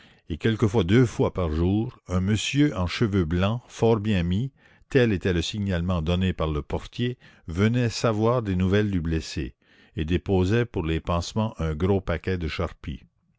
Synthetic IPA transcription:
ekɛlkəfwad̪øːfwapaʁʒuːʁɛ̃məsjøʔɑ̃ʃəvøblɑ̃fɔːʁbjɛ̃mi | t̪ɛlet̪ɛləsiɲalmɑ̃d̪ɔnepaʁləpɔʁt̪je | vənɛsavwaːʁd̪enuvɛld̪yblesḛ | ed̪epoːzɛpuʁlepɑ̃smɑ̃ʔɛ̃ɡɾopakɛd̪əʃaʁpḭ

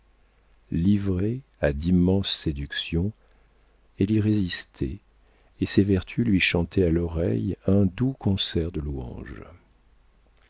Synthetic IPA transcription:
livʁead̪imɑ̃sːed̪yksjɔ̃ | eliʁezist̪ʰɛ̰ | esevɛʁt̪ʰylɥiʃɑ̃t̪ʰɛalɔʁɛ̰jɛ̃d̪ukʰɔ̃sɛʁd̪əluɑ̰̃ʒ

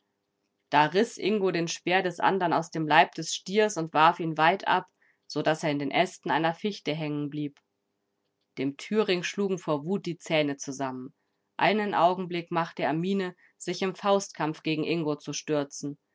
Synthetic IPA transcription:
d̥aːʁɪsʔɪŋɡodeːnʃb̥eːɐdɛsʔa̰ndɐna̰ʊsd̥eːmlaɪp̚d̥ɛsʃtiːɐsʊntv̥aɐfiːnvaɪtʔa̰p | z̥odaseːɐɪndeːnʔɛstn̩ʔaɪnɐfɪçtəɦɛŋənbliːp | d̥eːmtʰyːʁɪŋʃluːɡŋ̩foːɐvuːt̚d̥iːt͡sɛːnət͡suzamən | ʔa̰ɪnənʔaʊɡŋ̩blɪkmaχtəeːɐmiːnə | z̥ɪçɪmfaʊstkʰamfɡ̥eːɡŋ̩ʔɪŋɡot͡suʃtʏɐt͡sn̩

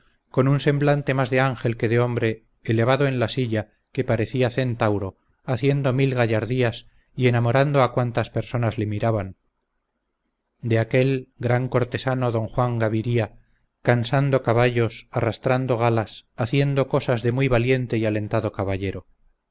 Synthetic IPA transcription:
ko̞nunse̞mblant̪e̞mazðeaŋxe̞lke̞ðeo̞mbɾe̞ː | leβ̞aðo̞e̞nlasiʎa | ke̞paɾe̞θiaθe̞nt̪awɾo | aθje̞nd̪o̞milɣaʝaɾðias | ie̞namo̞ɾand̪oakwant̪aspe̞ɾsonazle̞miɾaβaŋ | d̪e̞ake̞lɡɾaŋko̞ɾt̪e̞sano̞ðo̞ŋxwaŋɡaβiɾia | kansand̪okaβaʎo̞sarast̪ɾand̪o̞ɣ̞alasaθje̞nd̪o̞ko̞sazðe̞mujβalje̞nt̪eiale̞nt̪aðo̞kaβaʝe̞ɾo

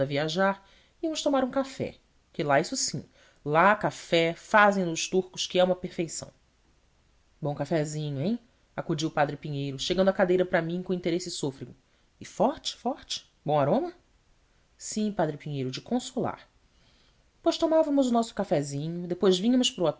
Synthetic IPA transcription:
ɐviaʒaɾ | iɐmʊst̪omaɾũkafɛ̰ | kɪlaisʊsḭ̃ | lakafɛfazẽj̃nʊʃt̪uɾkʊʃkɪaũmɐpeɾfejsɐ̰̃w̃ | bõw̃kafɛzĩɲʊẽj̃ | akud͡ʒiwʊpad̪ɾɪpiɲejɾʊʃeɡɐ̃nd̪ʊakad̪ejɾɐpɾɐmĩkõĩnt̪eɾesɪsofɾiɡʊ | ɪfɔɾt͡ʃɪ̥fɔɾt͡ʃɪ̥ | bõw̃aɾõmɐ | sĩpad̪ɾɪpĩɲejɾʊd͡ʒɪkõsula̰ɾ | pojʃt̪omavɐmʊzʊnɔsʊ̥kafɛzĩɲʊd̪epojzvĩɲɐmʊʃpɾʊa

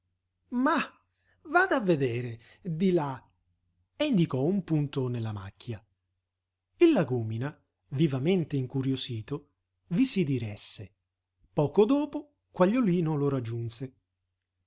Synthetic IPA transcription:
ma | vaːd̪avːed̪eːɾe | d̪ila | eind̪ikɔumpunt̪ʊnelːama̰kʰːja | ilːaɡuːmina | vivament̪eiŋkuɾjosiːt̪o | visid̪iɾɛsːe | pɔːkod̪ɔːpo | kwaʎːoliːnoloɾad͡ʒːunse

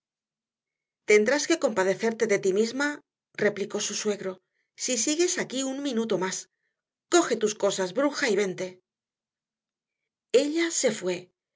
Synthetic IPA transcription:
t̪e̞nd̪ɾaske̞ko̞mpaðe̞θe̞ɾt̪e̞ðe̞t̪imizma | re̞pliko̞suswe̞ɣɾo̞ | sisiɣe̞sakiuŋmĩnut̪o̞mas | ko̞xe̞t̪usko̞sazβɾuxaiβe̞nt̪e̞ | e̞ʎase̞fwe̞

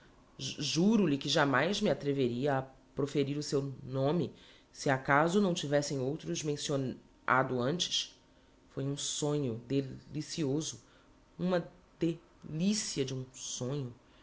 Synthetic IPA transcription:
ʒuɾʊlɪkɪʒamajzmɪat̪ɾeveɾiɐː | pɾofeɾiɾʊsewnõmɪ | sɪakazʊnɐ̃w̃t͡ʃivɛsẽj̃owt̪ɾʊzmẽsion | a̰d̪ʊɐ̃nt͡ʃɪ̥ʃ | fojũsõɲʊd̪elisiozʊ | ũmɐ | d̪e | lisiɐd͡ʒɪũsõɲʊ

